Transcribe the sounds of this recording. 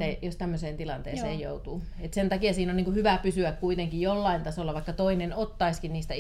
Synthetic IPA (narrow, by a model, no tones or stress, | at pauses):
ejost̪æmːøseːnt̪ilɑnt̪ḛːsseːjjo̰ut̪uː | et̪sent̪ɑkiɑsiːnonniːŋkuhyʋæpysyækkuit̪eŋkijolːɑint̪ɑsolːɑʋɑikːɑt̪oinenot̪ːɑiskinniːst̪æ